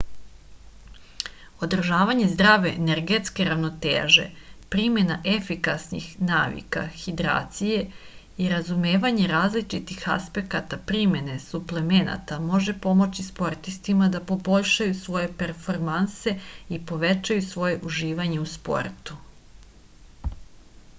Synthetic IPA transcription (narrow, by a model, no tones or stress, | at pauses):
o̞d̪r̩ʒaːʋaɲe̞zd̪ɾaʋe̞neɾɡe̞t̪ske̞ɾaʋno̞t̪ḛːʒe̞̰pɾime̞naʔe̞fikasnḭxnaːʋḭka̰xid̪ɾa̰ːt̪sije̞ | iɾazumeːʋaɲe̞ɾaːzlit͡ʃit̪ixa̰spe̞kat̪apɾime̞ne̞suple̞me̞na̰t̪amo̞ʒe̞po̞mo̞t͡ɕispo̞ɾt̪ist̪imad̪apo̞bo̞ʎʃajusʋo̞je̞peɾfo̞ɾmanse̞ipo̞ʋe̞t͡ʃajusʋo̞je̞ʔuʒiːʋaɲe̞uspo̞̰ɾt̪u̥